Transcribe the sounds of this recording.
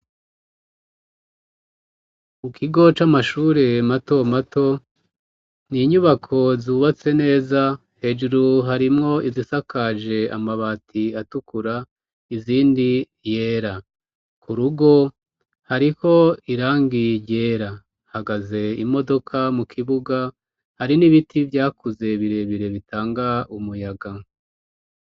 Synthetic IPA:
mukʰiɡo̞t͡ʃamaʃuːɾe̞mato̞matʰo̞ | niɲuβakʰo̞zuːβat͡se̞ne̞ːza | he̞d͡ʒuɾuɦaɾimŋo̞izisakʰad͡ʒe̞a̰maβaːtʰiatukuɾa | iziːndi | je̞ːɾa | kʰuɾuɡo̞ | haɾiko̞iɾaːŋɡiɟeːɾa | haɡaze̞imo̞do̞kʰamukʰiβuɡa | haɾiniβitivjaːkuze̞βiɾe̞βiɾe̞βitʰaːŋɡaumujaɡa

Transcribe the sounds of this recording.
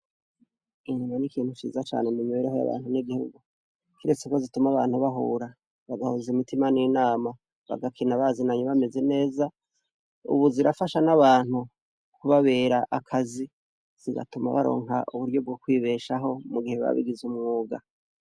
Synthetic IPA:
inimanikiːn̥hut͡ʃḭːzat͡ʃa̰ːnemimiβeɾehoja̰βa̰ːn̥huniɡihuɡu | kʰiɾet͡sekozitumaβaːn̥huβaɦṵːɾa | βaɡahozimitimaninaːma | βa̰ɡakʰinaβazinaɲuβame̞ze̞ne̞ːza | ṵβuziɾafaʃanaβaːn̥hu | kuβaβe̞ːɾaʔakʰazi | z̥iɡa̰tuma̰βa̰ɾo̞̰ːŋɦa̰ʔuβuɾjo̞b̚ɡokwiːβe̞ːʃaɦo̞muɡiheβa̰βḭɡizumŋoːɡa̰

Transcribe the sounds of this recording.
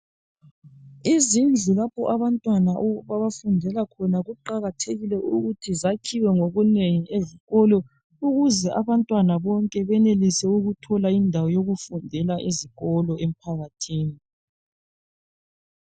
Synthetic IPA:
izind͡ɮʱulapʰɔʔaβantʼwanaʔβaβafundʱɛlakʰɔnaɣuǃaɣatʰeɣilɛuɣutʰizakʰiwɛŋoɣuneŋieziɣɔlɔ | uɣuzɛʔaβantʼwanaβɔŋkʼɛβɛnelisɛuɣutʰɔlaindʱawɔjoɣufundʱɛlaʔeziɣɔlɔem̩pʰaɣatʰiːni

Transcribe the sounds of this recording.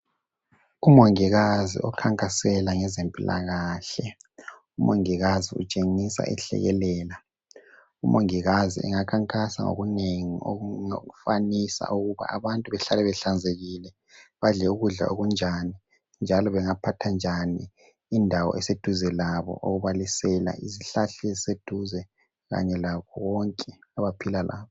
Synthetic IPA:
umoŋiɣazḭʔɔ̰kʰaŋkʼasɛlaŋɛzempʼila̰ɣaːɬɛ | umoŋiɣaziṵt͡ʃʼeŋisa̰ʔɛ̰ɬɛ̰ɣɛlɛːla | umʔoŋiɣazḭʔɛ̰ŋakʰaŋkʼasa̰ŋo̰ɣuneŋio̰oɣufanisa̰ʔuɣuβa̰aβantʼuβɛɬalɛβɛɬand͡zʱeɣilɛ | βaɮɛuɣuɮa̰ʔoɣund͡ʒʱani | nd͡ʒʱalɔβɛŋapʰatʰand͡ʒʱaniː | ndʱawɔ̰ʔɛsed̥ʱuzɛlaβɔ̰ʔoɣuβalisɛla̰ʔiziɬaɬɛzised̥ʱuzɛ | ɣa̰ɲɛlakʰɔwɔŋkʼɛaβapʰilalʔa̰ːβɔ

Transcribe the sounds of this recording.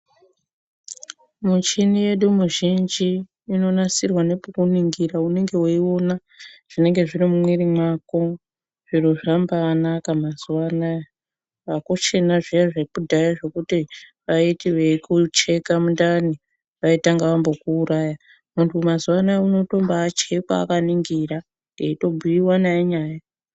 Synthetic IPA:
mut͡ʃinije̞ɗumuʒind͡ʒiː | no̞nasirwane̞pukuniŋɡiɾaune̞ŋɡe̞wuio̞na | ʐ̥ine̞ŋɡe̞ʐiɾimumwiɾimwako̞ | ʐ̥iɾo̞ʐambanakamazuwana | ʋakot͡ʃe̞naʐiaʐeibudʱajaʐe̞kutiʋaitiʋekut͡ʃe̞kamundani | ʋaitaŋɡaʋambo̞kuːɾaja | muntʰumazuwanauno̞to̞mbaːt͡ʃekwa̰ːkaniŋɡiɾa | neito̞bʱuiwanaeɲaːja

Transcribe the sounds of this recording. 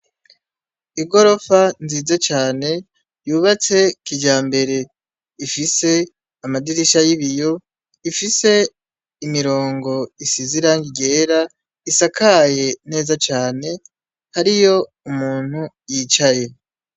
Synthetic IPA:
iɡo̞ɾo̞fanziːzet͡ʃaːne̞ | juːβat͡se̞kiɟaːmbe̞ɾe̞ | ifise̞ | amadiɾiʃajiβijo̞ | ifise̞ | imiɾo̞ːŋɡo̞isiziɾaŋɡiɡe̞ːɾa | isakaje̞ne̞ːzat͡ʃaːne̞ | haɾijo̞ | umuːn̥hu | jiːt͡ʃaje̞

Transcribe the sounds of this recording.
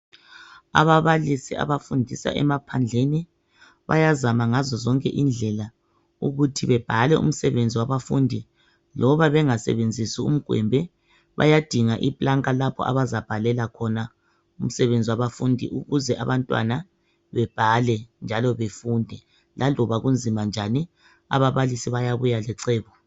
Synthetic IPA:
a̰βaβalisia̰βafundʱisa̰ʔɛ̰mapʰand͡ɮʱeni | βa̰jazamaŋazɔzɔŋkʼɛ̰ʔind͡ɮʱɛla | uɣutʰiβɛb̥ʱalɛṵm̩sɛβend͡zʱiwaβafundʱi | lɔβaβɛŋasɛ̰βend͡zʱisiṵm̩ɡ̥ʱwɛ̰mbʱɛ | βa̰jad̥ʱiŋaʔipʼlaŋkʼalapʰɔ̰ʔa̰βazab̥ʱalɛlakʰɔna | um̩sɛβend͡zʱiwaβafundʱḭʔuɣuzɛʔaβantʼwa̰na | βɛb̥ʱalɛnd͡ʒʱalɔβefundʱɛ | lʔalɔβaɣund͡zʱimand͡ʒʱani | a̰βaβalisiβajaβujalɛǀeːβɔ

